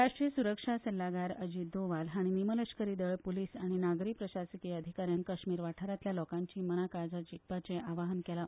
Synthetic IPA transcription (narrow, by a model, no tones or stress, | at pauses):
ɾaʂʈɾijəsuɾəkʂasɛlːaɡaɾəd͡ʑiːd̪oʋalɦaɽ̃inimələɕkəɾiːd̪əɭpuliːsaɽ̃inaɡɾik̚pɾəɕasikiəd̪ʱikaɾjaŋkəɕmiːɾʋaʈʰaɾat̪ljalɔkãɲt͡ɕiːmənakad͡zad͡ʑik̚pat͡sẽʔaʋaɦənkɛla